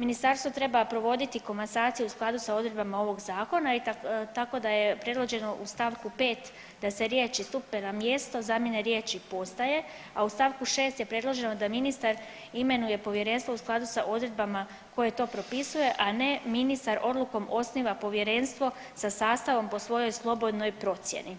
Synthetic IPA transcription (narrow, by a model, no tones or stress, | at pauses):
minist̪aɾst̪ʋo̞t̪ɾe̞bapɾo̞ʋo̞d̪it̪iko̞mansaːt̪sijeusklˠad̪usao̞d̪ɾe̞d̪bamao̞ʋo̞ɡzaːko̞nait̪ako̞d̪ajepɾe̞d̪lˠo̞d͡ʒe̞no̞ʔust̪aʋkupe̞ːt̪ | d̪aseɾje̞ːt͡ʃist̪upenamje̞st̪o̞zamjeneɾje̞ːt͡ʃipo̞st̪aje̞ | aust̪aːʋkuʃe̞ːst̪je̞pɾe̞d̪lˠo̞ʒe̞no̞d̪aminist̪aɾ | ime̞nuje̞po̞ʋje̞ɾe̞nst̪ʋo̞usklˠad̪usaʔo̞d̪ɾe̞d̪bama | ko̞je̞t̪o̞ːpɾo̞pisuje̞ʔane̞minist̪aɾo̞d̪luko̞mʔo̞sniʋapo̞ʋjeɾe̞nst̪ʋo̞ | sasaːst̪aʋo̞mpo̞sʋo̞jo̞jslˠo̞bo̞d̪no̞jpɾo̞t̪sjḛni